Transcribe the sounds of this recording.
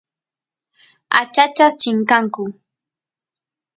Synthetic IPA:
a̰t͡ʃat͡ʃast͡ʃɪŋkaŋkʊ

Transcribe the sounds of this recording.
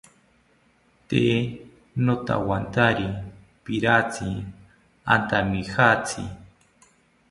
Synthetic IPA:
t̪e | not̪a̰want̪aɾi | piɾat͡sʰi | a̰nt̪amixat͡sʰḭ

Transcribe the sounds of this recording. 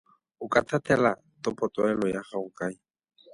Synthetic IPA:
ʊkatʰatɛla | tɔpʼɔtɔɛlɔjaχaʊkai

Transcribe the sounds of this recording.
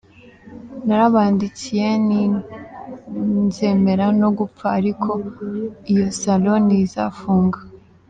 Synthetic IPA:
naɾaβaːndit͡sije̞ni | nze̞me̞ɾano̞ɡup͡faːɾikʰo̞ | ijo̞salo̞niza̰fuːŋɡḁ

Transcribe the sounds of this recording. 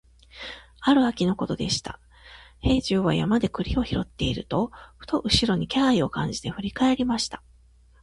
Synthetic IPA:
aɾɯ̟akʲino̞ko̞t̪o̞d̪e̞ɕi̥t̪a̰ | he̞ːʑɨːβajamad̪e̞kɯ̟ɾʲio̞çiɾo̞t̪ːe̞iɾɯ̟̰t̪o̞ɸɯ̟̥t̪o̞ʔɯ̟ɕiɾo̞ɲ̟ikʲaːio̞kãɲ̟d͡ʑi̥t̪e̞ɸɯ̟ɾʲikae̞ɾʲimaɕi̥t̪ḁ

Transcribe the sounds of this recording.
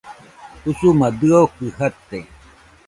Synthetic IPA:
usumad̪ɯaokɯhat̪ːe

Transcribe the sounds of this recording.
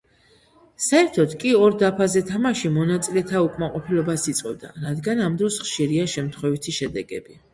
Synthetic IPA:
saɛɾt̪ʰɔt̪kʼiɔɾd̪apʰazɛt̪ʰamaʃimɔnat̪sʼilɛt̪ʰaukʼmaqʼɔpʰilɔbasit̪sʼqʼɛ̰bd̪a̰ɾad̪ɡanamd̪ɾɔsχʃiɾiaʃɛmt̪ʰχwɛvit̪ʰiʃɛd̪ɛɡɛ̰bi

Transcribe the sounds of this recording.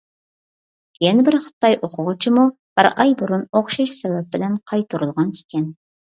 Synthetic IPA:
jɛnɪbɪɾχə̥t̪ːɑjʔoqʰʊʁʊt͡ʃʰimu | b̥ɪɾʔɑjbuɾunoχʃiʃsɛvɛp̚bɪlɛnqʰɑjt̪ʰuɾulˠʁɑnkʲʰe̥kʲʰɛn

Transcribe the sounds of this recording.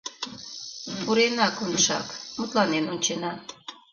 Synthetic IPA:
puɾenɑkonəʃɑ̰kmut̪lɑnenonʲt͡ɕenɑ

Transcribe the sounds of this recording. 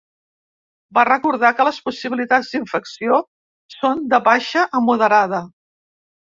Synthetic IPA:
barəkuɾð̞akələspusiβilit̪ad͡zd̪iɱfəksio | sond̪əβaʃəʔəmuðəɾað̞ə

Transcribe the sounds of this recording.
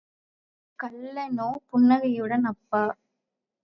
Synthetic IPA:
kɐlːɐnoːpʊɳːɐɣɐjɯɽɐnɐpːɐː

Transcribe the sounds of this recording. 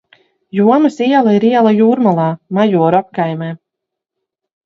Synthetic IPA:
juɔmɐsiɛlˠaiɾiɛlˠajuːɾmalˠɑːmajuɔɾap̚kajmɛː

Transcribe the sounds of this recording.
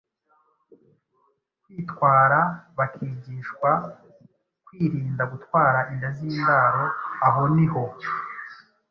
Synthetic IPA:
kwiːtkwaːɾaβakʰiːɟiːʃkwa | kwiːɾiːndaɡutwaːɾaʔindaziːndaɾo̞aɦo̞niho̞

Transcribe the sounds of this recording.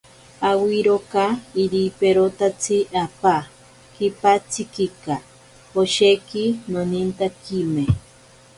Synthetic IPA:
awiɾokaiɾipeɾot̪at͡sʰiapa | kipat͡sikika | oʃekinonint̪akime

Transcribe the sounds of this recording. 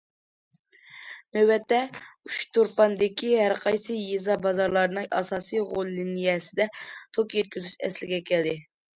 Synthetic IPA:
nøwbɛt̪ːɛyt͡ʃt̪ʰuɾpɑnd̪ɪkʲiɦæɾqʰɑjsɨjezɑbɑzɑɾlˠɑɾnɨŋʔɑ̰sɑːsijʁolˠːɪnijɛsɪd̪ɛt̪ʰokjɛt̪̚kʲyzyt͡ʃɛ̰slɪɡʲɛkʲʰæld̪ɪ

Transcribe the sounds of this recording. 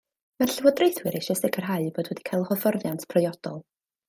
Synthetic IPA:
marɬɪwɔdrejθwɨɾeʃɔsɪkʰərɦaɨboːdwɛdi̥kʰajlˠhɔvɔrðjantʰpʰrɔjɔd̥ɔlˠ

